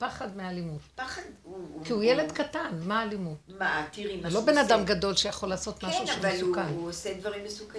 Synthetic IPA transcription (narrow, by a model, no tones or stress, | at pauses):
paχadmealimut̪paχad̪ukiujeled̪katanmaːlimutmat̪iʁimulo̞benadamɡado̞lʃejaχo̞laːso̞t̪maʃuʃmvalsukanosed̪vaʁimːesuk